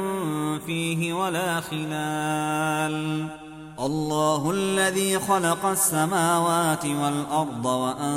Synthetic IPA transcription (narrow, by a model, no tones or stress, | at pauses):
fiːɦɪwalaːxɪlaːl | ʔɑlˤːɑːɦʊʔalːaðiːxɑlɑqɑsːamaːwaːt̪ɪwalʔɑɾˤd̪ˤɑwaʔa